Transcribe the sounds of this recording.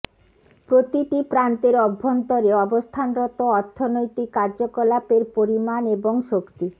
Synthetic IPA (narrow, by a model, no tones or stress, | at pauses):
pɾot̪iʈipɾant̪eɾɔbʱːont̪oɾeɔbost̪ʰanɾɔt̪oɔɾt̪ʰːonojt̪ikːaɾd͡ʑokɔlapeɾpoɾimaneboŋʃokt̪i